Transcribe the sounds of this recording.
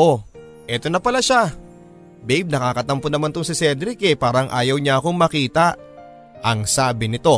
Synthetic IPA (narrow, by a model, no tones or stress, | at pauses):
ʔo̞ | ʔɛt̪o̞nɐpɐlaʃa | bɛjb̚nɐkaːkɐt̪ɐmponɐmant̪ʊŋsɪsɛd̪ɾɪkɛpaːɾɐŋʔaːjɐwɲaɐko̞ŋmɐkiːt̪ɐ | ʔɐŋsaːbɪnɪt̪o̞